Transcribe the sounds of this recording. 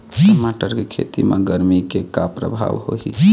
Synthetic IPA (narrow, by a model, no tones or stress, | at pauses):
maʈəɾkekʰḛt̪imḛɡəɾmikekapɾə̰bʱa̰ʋho̰ɦḭ